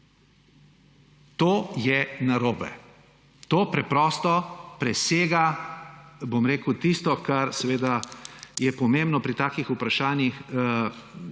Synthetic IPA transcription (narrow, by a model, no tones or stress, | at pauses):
t̪oːjɛnaɾoːbɛ̰ | t̪oːpɾɛpɾɔːst̪ɔpɾɛseːɡa | bomɾeːkut̪ist̪ɔkaɾsɛʋeːd̪ajɛpɔmẽmbnɔpɾit̪aːkixupɾaʃaːnjix